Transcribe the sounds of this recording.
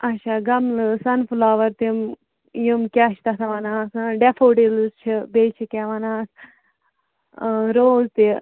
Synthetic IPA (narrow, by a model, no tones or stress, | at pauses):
ɐʃaːɡɐmlɨsɐnflaːʋɐɾt̪im | jimkʲaʃt̪ɐsɐʋɐnaːsɨ̃ɖefoːʈilɨst͡ʃʰibeːt͡ʃʰikʲaʋɐnaːs | ɾoːzt̪i